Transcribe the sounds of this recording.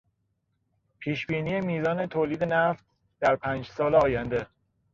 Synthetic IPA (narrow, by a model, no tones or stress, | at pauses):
pʰiːʃbiːniːjemiːzɒːne̞t̪ʰoːliːd̪e̞næft̪̚ | d̪̥æɾpʰæːnd͡ʒsɒːleɒːjænd̪e̞